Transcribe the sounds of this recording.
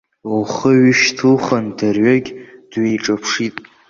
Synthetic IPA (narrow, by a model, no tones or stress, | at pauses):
luχəɥɪʃtʰɨlχandarɥaɡʲd̥ɥejʈ͡ʂʼapʰʂitʼ